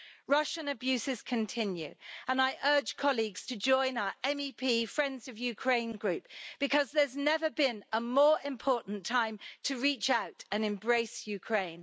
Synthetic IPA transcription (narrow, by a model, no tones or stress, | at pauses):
ɹʌʃə̃nəbjʉˑsɪz̥kʰə̃ntʰɪ̃njʉ̰ə̃naɪʔɜːd͡ʒ̥kʰɒliɡz̥tʰəd͡ʒɔ̃ɪ̃naʊəʔɛ̃mipʰiːfɹɛ̃ndzəvjʉkʰɹ̥ẽɪ̃nɡɹʉˑp̚b̥ɪkʰʌzðəznɛvəbɪ̃nəmɔːɹɪ̃mpʰɔˑʔn̩tʰãɪ̃mtʰəɹiˑt͡ʃaʊtə̃nɛ̃mbɹeɪsjʉkʰɹ̥ẽɪ̃n